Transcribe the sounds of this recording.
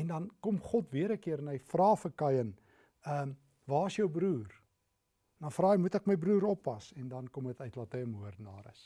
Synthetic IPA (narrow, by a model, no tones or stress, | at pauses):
ɛndɐnkɔmχɔtviəɾəkiəɾənəjfrɑːfəkɐjən | əm | vɑːəsjœwbɾuːr | dɐnfrɑːəjmutɛkməjbɾuːɾɔpːɐsɛndɐnkɔmətœɥtlɑtəjəmuərdnɑːɾə̰s